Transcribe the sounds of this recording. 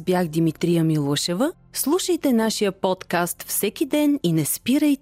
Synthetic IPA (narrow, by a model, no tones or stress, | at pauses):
bjaxd̪imit̪ɾijəmilˠɔʃɛvə | slˠuʃəjt̪ɛnaʃijəpɔt̪kast̪fsɛk̟id̪ɛninɛspiɾəjt̪